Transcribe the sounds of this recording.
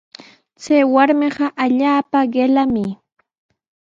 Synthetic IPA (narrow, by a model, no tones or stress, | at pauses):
t͡sajwaɾmeɢɑʔaʎaːpaɢelamɪ